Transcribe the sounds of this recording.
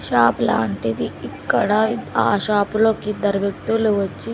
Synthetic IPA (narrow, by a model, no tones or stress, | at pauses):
ʃaːpla̰ːɳʈid̪iikːɐɽɐaːʃaːploːkid̪ɐɾʋjɐkt̪uluʋɐt͡ʃːi